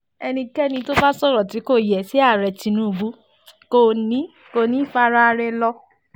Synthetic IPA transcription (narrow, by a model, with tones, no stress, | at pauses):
ɛ˧nĩ˧kɛ˦nĩ˧to˦ba˦sɔ˦˨ɾɔ˨ti˨˦ko˦˨jɛ˨si˨˦a˦˨ɾɛ˨ti˧nũ˦˨bu˨˦ | ko˦˧˨nĩ˨˦ | ko˧˨nĩ˦˨fa˧ɾa˧ɾɛ˧lɔ˧